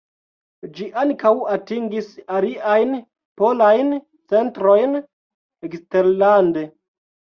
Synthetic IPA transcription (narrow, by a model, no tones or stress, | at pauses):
d͡ʒiʔaŋkawatiŋɡisaliʔajn | po̞lajn | t͡se̞ntɾo̞jn | eksteɾlande